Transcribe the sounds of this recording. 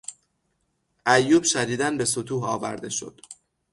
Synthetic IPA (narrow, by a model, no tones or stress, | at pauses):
ʔæjːuːbʃæɾiːd̪ænbe̞sot̪ʰuːɦɒːvæ̰ɾd̪e̞ʃo̞̰d̪̥